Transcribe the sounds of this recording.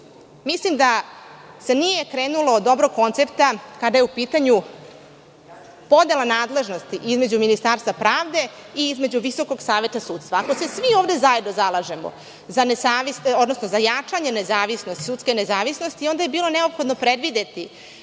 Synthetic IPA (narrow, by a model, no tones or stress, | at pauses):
mislimd̪ase̞nije̞kɾeːnulˠoːd̪ːo̞bɾo̞ɡ̚ko̞nt̪se̞pt̪akad̪ajeupiːt̪aɲu | po̞d̪e̞lˠanaːd̪le̞ʒno̞st̪iʔizme̞d͡ʑuminist̪aːɾst̪vapɾaːvd̪e̞ | iizme̞d͡ʑuʋiso̞ko̞ɡsaːʋe̞t̪asuːt̪st̪ʋaːko̞se̞sʋioːʋd̪e̞zaje̞d̪nozalˠaʒe̞mo̰ | zanesaːʋiso̞d̪nosno̞zajat͡ʂaɲe̞nezaːʋisno̞st̪i̥suːt̪ske̞ne̞zaːʋisno̞st̪io̞nd̪aje̞biːlo̞ne̞opxo̞d̪no̞pɾe̞d̪ʋid̪e̞t̪i